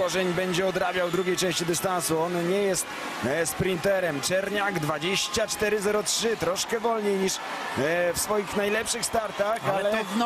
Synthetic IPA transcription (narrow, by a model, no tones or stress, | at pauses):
ɔʐɛɲbɛɲd͡ʑɛɔd̪ɾabʲjawd̪ɾuɡʲejt͡ʂɛ̃w̃ɕt͡ɕid̪ɘst̪ansuɔnɲɛjɛst̪ | spɾint̪ɛɾɛmt͡ʂɛɾɲaɡd̪vad͡ʑeɕt͡ɕat͡ʂt̪ɛɾɘzɛɾɔtʂɘt̪ɾɔʂkɛvɔlɲejɲiʂ | fsfɔjixnajlɛpʂɘxst̪aɾt̪axalɛ